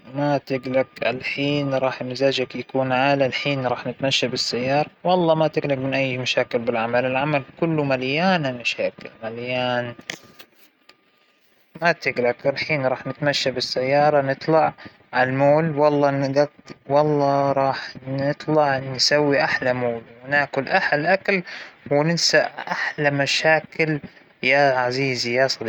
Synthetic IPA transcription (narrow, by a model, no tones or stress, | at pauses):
mat̪ɪɡlakʔa̰lħiːnɾˤɑːħmɪzaːd͡ʒakjakuːnʕaːlalħiːnɾˤɑːħnɪt̪maʃːabɪsːajːɑːɾˤɑwɑlˤːɑːmat̪ɪɡlakmɪnʔajːmaʃaːkɪlbɪlʕamalɪlʕamalkʊlːʊmaljaːnalmaʃaːkɪ̰lmaljaːn | mat̪ɪɡlaklħiːnɾˤɑːħnɪt̪maʃːabɪsːajːɑːɾˤɑnɨt̪ˤlɑʕ | ʕalmoːlwɑlˤːɑːnɪɡat̪wɑlˤːɑɾˤɑːħnɪt̪ˤlɑʕnnsawːiʔaħlamoːlwɪnaːkʊlʔaħalʔakalhwnɪnsaʔʔaħlamaʃaːkɪl | jaʕaziːzijasˤɑd̪